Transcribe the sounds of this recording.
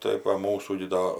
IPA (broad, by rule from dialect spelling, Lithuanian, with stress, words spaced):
tɐɪ ʋɐ ˈmuːsuː ɡʲɪ ˈdoː